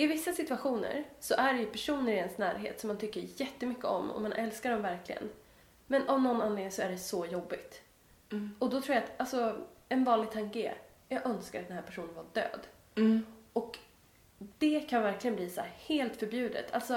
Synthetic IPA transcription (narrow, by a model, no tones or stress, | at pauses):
ɪvɪsːasɪt̪ɵaɧuːnə̰ɾsɔʔæɖɛjɵpʰæʂuːnəɾɪɛnsnæːɾɦḛːt̪sɔmːant̪ʰʏkːəɾjɛt̪ːəmʏkːəɔ̰mɔ̰manʔɛlskaɖɔmvæɾkʰlɪɡə̰n | mɛnɔmnɔnːanleːŋnsɔæɖɛsɔjɔbːɪt̪ | ɔd̪ɔt̪ʰɾuːjat̪alsɔɛnvɑːnlɪɡ̚t̪ʰaŋkḛ | jɑːɡœnskaɾat̪̚nhæːɾpʰæʂuːnənvaɖø̰ːd̪ | ɔk | d̪̥ɛkʰanvæɾklɪɡənbliːsɔæːɾheːlt̪fœɾbjʉ̟ːd̪ə̰t̪ʰa̰lt̪sɔ